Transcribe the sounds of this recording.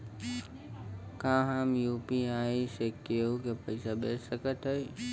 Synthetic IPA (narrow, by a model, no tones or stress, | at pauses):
kãːɦãːmjuːpiaːisekːeokepəɪsaɓeːsəkət̪əe